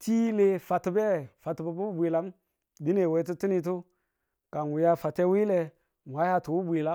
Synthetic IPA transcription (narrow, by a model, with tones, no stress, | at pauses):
ti˦le˨fa˨tu˨be˦˨fa˨tba˨bu˦bʷi˨la˦m | di˦ne˨we˨˦t̬u˦ti˦ni˨t̬u˦ | ka˨n˨wu˨ja˦fa˨te˦wi˦le˨ | m˨a˦ja˦tu˨wu˦bʷi˨la˦